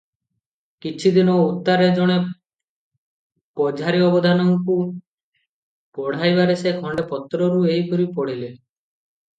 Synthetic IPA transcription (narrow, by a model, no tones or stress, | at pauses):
kit͡ʃʰid̪inɔut̪ːaɾed͡ʒɔɽ̃e | pɔd͡ʒʱaɾiɔbɔd̪ʱanɔŋku | pɔɽ̤ajbaɾesekʰɔɳɖepɔt̪ːɾɔɾuejkɔɾipɔɽ̤ile